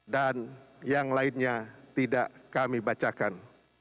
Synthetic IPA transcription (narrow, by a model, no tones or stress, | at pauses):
danjaŋlaɪnɲat̪idaʔkamibat͡ʃakan